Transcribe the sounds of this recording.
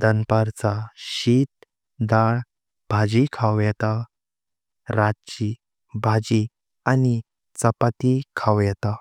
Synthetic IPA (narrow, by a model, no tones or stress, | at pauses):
d̪ənpaɾt͡saɕit̪ | d̪aɭ | b̥ʱad͡ʑikʰawjɛt̪a | ɾat͡ɕi | bʱad͡ʑi | ani | t͡səpat̪ikʰawjɛt̪a